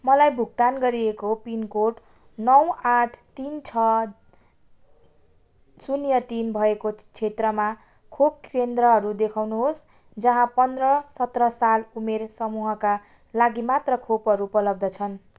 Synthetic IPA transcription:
mʌlajbʱuɡ̚t̪anɡʌɾiekopinkoʈ | nʌwaʈʰt̪int͡sʰʌ | sunjʌt̪inbʱʌekot͡sʰet̪rʌma | kʰobkrend̪rʌɦʌɾud̪ekʰawnuɦos | d͡zʌɦãpʌnd̪rʌsʌt̪rʌsalumersʌmuɦʌka | laɡimat̪rʌkʰopɦʌɾupʌlʌb̚d̪ʌt͡sʰʌn

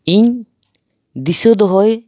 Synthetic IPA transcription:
iɲ | d̪isɔd̪ɔɦɔj

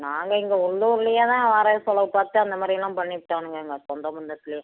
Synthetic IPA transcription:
naːŋɡɐɪŋɡɐʊɭːuːɾɪlɐjaːt̪ãːʋaːɾɐsɔlɐʋɯpaːɾt̪ːɯɐnd̪ɐmaːd̪ɾilãːpɐɳːɪʈːaːnɯŋɡɐŋɡɐsɔnd̪ɐmʊnd̪ɐt̪ːɪlɐja

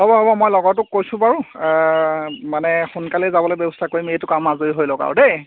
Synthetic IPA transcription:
ɦɔbɔɦɔbɔmojlɔɡɔtʊk̚ːojsʊ̃paɹʊ | manɛxunkalɛzabɔlojbɛbɔstʰakoɹimejtʊkamːazoiɦojlɔka̰ɹdej

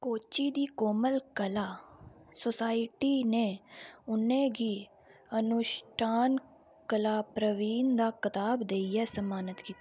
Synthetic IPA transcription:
koːt͡ʃiːd̪iːkoːməlkəlaːsoːsaːɪʈiːneːʊnẽːɡiː | ənʊʃʈʰaːn | kəlaːpɾəʋiːnd̪aːkət̪aːbd̪eːiːɛːsəmaːnət̪kiː

